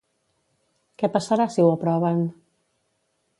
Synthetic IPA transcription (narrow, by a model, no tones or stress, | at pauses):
kɛpasaɾasiwapɾɔβ̞ən